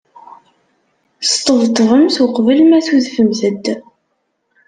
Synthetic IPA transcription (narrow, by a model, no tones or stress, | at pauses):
st̪ˤːəvt̪ˤːvəmθʊqvəlmæθuðfəmθəd̪